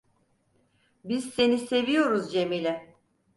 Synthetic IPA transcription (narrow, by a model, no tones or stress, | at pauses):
biz̥se̞nise̞vijo̞ɾuzd͡ʒe̞milʲɛ